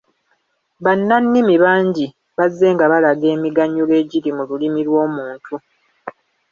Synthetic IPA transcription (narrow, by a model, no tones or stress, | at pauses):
βanːanːimiβaːɲɟi | βazːe̞ːŋɡaβalaɡe̞ːmiɡaɲːule̞ːɟiɾimululimilwo̞ːmuːntʰu